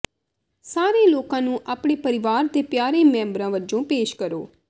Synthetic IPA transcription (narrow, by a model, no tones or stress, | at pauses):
saːɾeːloːkãːnũːʔaːpɳeːpəɾɪʋaːɾd̪eːpjaːɾeːmɛ̃ːmbɾãːʋəd͡ʒõːpeːʃkəɾo̰ː